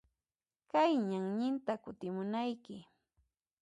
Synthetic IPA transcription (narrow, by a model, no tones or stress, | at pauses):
kajɲaŋɲɪnt̪akʊt̪ɪmʊnajkɪ